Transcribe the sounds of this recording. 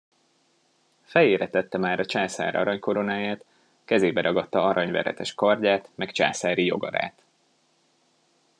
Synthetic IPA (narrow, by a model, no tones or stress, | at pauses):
fɛjeːɾɛt̪ɛt̪ːɛmaːɾɒt͡ʃaːsa̰ːɾɒ̰ɾɒɲko̞ɾo̞naːjaːt̪ | kɛzeːbɛɾʔɒɡɒt̪ːɒɒɾɒɲvɛ̰ɾɛ̰t̪ɛʃkɒrɟaːt̪mɛkt͡ʃa̰ːsaːɾijo̞̰ɡɒ̰ɾa̰ːt̪